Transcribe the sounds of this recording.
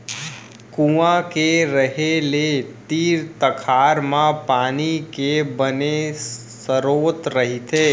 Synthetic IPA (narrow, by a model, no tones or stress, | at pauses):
kũãkeɾəɦelet̪iːɾt̪əkʰaːɾmãpaːnikebəne | səɾoːt̪ɾəɦit̪ʰeː